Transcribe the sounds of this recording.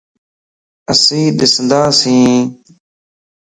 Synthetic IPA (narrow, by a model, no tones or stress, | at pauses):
əsĩːɗ̪ɪsnd̪aːsĩː